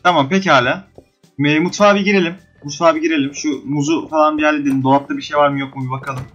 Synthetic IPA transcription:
t̪ʰamampecihaːlʲaː | mɛmut̪faːbiɟiɾelʲim | mut̪faːbiɟiɾe̞lʲimʃumuzufalˠanbijæɾlʲid̪eimd̪oap̚t̪ˠabiʃe̞jvaɾmɯjo̞k̚mubakʰalˠɯm

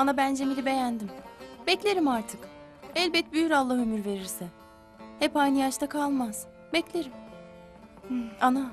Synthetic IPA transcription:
anabænd͡ʒe̞milʲibe̞jænd̪imbɛclʲe̞ɾimaɾt̪ʰɯk | ɛlʲbɛt̪̚byjyɾalˠːaɦømyɾve̞ɾiɾsɛ | hɛpajnijat͡ʃt̪akʰalˠmaz̥ | bɛclʲeɾim | ana

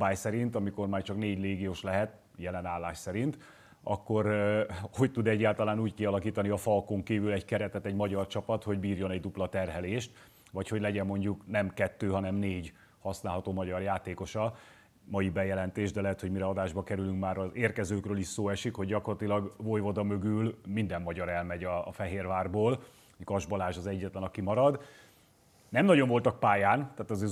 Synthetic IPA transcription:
baːjsɛɾint̪ɒmiko̞rmaːrt͡ʃɒkneːɟleːɡijoːʃlɛɦɛt̪ | jɛlɛnaːlːaːʃsɛɾint̪ | ɒkːo̞ɾho̞ct̪ud̪ɛɟːaːlt̪ɒlaːnuːckiɒlɒkiːt̪ɒniɒfɒlkoŋkiːvylɛɟkɛɾɛt̪ɛt̪ɛɟmɒɟɒrt͡ʃɒpɒt̪ho̞ɟbiːrjo̞nɛɟd̪uplɒt̪ɛrɦɛleːʃt̪ | ʋɒcho̞ɟlɛɟɛmːo̞ɲɟuknɛmkɛt̪ːøːɦɒnɛmneːɟ | hɒsnaːlɦɒt̪oːmɒɟɒrjaːt̪eːko̞ʃɒ | mɒjibɛjɛlɛnt̪eːʒd̪ɛlɛɦɛt̪ho̞ɟmiɾɛɒd̪aːʒbɒkɛɾylyŋkmaːɾɒzeːrkɛzøːkrøːliʃsoːɛʃikho̞ɟɟɒkorlɒt̪ilɒɡvojvod̪ɒmø̞ɡylmind̪ɛmːɒɟɒɾɛlmɛɟɒːfɛɦeːrvaːrboːl | kɒʒbɒlaːʒɒzɛɟːɛt̪lɛnɒkimɒɾɒd̪ | nɛmnɒɟo̞ɱvo̞lt̪ɒk̚paːjaːnt̪aːt̪ɒz

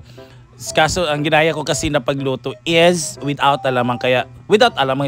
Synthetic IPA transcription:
kasoʔɐŋɡɪnaːjɐko̞kɐsɪnɐpɐɡluːt̪oɪzwɪd̪awt̪ɐlamɐŋkɐjaʔwɪd̪awt̪ɐlamɐŋ

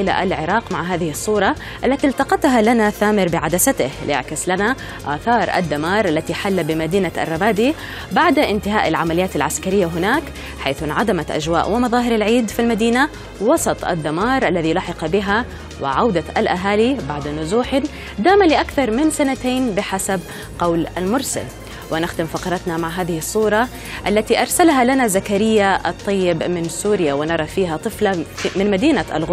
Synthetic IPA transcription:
ɪla̰ʔa̰lʕɪɾˤɑːqmaʕɦaːðɪhɪsˤːuːɾˤɑ | ʔalːat̪ilt̪ɑqɑt̪ɦalanaθaːmɪɾbɪʕad̪asat̪ɪhlɪ̰ʔa̰ʕkɪslana | ʔaːθɑːɾˤʔa̰d̪ːamɑːɾˤʔalːat̪iħalːabɪmad̪iːnaʔa̰rˤːɑmaːd̪i | baʕd̪aʔɪnt̪ɪɦaːʔalʕamalɪjaːt̪alʕaskaɾɪjːaɦʊnaːk | ħajθʔɪnʕad̪amaʔa̰d͡ʒwa̰ːʔwɪmɑðˤɑːɦɪɾalʕiːd̪filmad̪iːna | wɑsˤɑt̪ˤʔa̰d̪ːamɑːɾˤʔalːaðilɑːħɪqbɪɦa | wɪ̰ʕawd̪aalʔaɦaːlibaʕd̪nʊzuːħɪ | d̪aːmalɪʔakθɑɾˤmɪnsanat̪eːnbɪħasab | qɑwlalmʊɾsa̰l | wɪnɪxd̪ɪmfɑqɑɾˤɑt̪namaʕɦaːðɪhɪsˤːuːɾˤɑ | ʔalːat̪iʔɑɾˤsalɦalanazakaɾɪjːaʔɑt̪ˤːɑjːɪbmɪnsuːɾɪjawɪnɑɾˤɑfiːɦat̪ˤɨflamɪnmad̪iːnaʔa̰lɣʊ

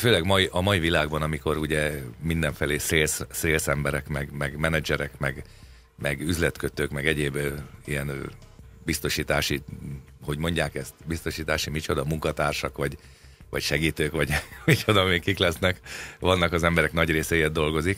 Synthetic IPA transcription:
føːlɛɡmɒjʔɒmɒivilaːɡbɒnɒmiko̞ɾuɟɛmind̪ɛɱfɛleːseːlsseːlsɛmbɛɾɛkmɛɡmɛɡmɛnɛd͡ʒɛɾɛkmɛɡ | mɛɡyzlɛt̪køt̪øːkmɛɡɛɟeːbijɛn | bist̪o̞ʃiːt̪aːʃi | ho̞ɟmo̞ɲɟaːkɛst̪bist̪o̞ʃiːt̪aːʃimit͡ʃod̪ɒmuŋkɒt̪aːrʃɒkʋɒɟ | ʋɒ̰cʃɛɡiːt̪øːkʋɒɟmit͡ʃod̪ɒmekiklɛsnɛkʋɒnːɒkɒzɛmbɛɾɛknɒɟreːsɛjɛd̪d̪o̞lɡo̞zik

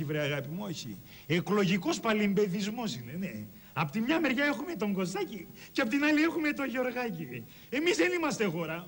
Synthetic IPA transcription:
ivɾeɐɣɐpimoçḭ | eklo̞ʝiko̞spɐlimbe̞ðizmo̞sine̞ne̞ | ɐpot̪imɲɐme̞ɾʝɐe̞xume̞t̪o̞ŋɡo̞st̪ɐciceɐpot̪inɐlie̞xume̞t̪o̞ʝeo̞ɾɣɐci | e̞mizðenimɐst̪exo̞ɾɐ

